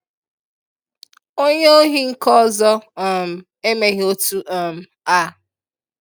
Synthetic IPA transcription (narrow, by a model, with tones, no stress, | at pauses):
o˦ɲe˦o˦ɦi˦ŋ̩˦kɔ˦zɔ˦˨m̩˨ | e˦me˦ɣo˦tu˦ʔa˨m̩˨ | a˦˨